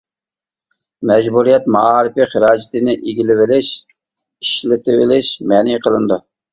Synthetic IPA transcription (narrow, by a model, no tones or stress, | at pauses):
mɛd͡ʒbuɾijɛt̪̚mɑɑːɾɪfiχəɾɑːd͡ʒɪt̪ɪnɪʔiɡʲilɪvɪlɪʃ | iʃlɪt̪ɪwɪlɪʃmɛniqəlˠɨnd̪u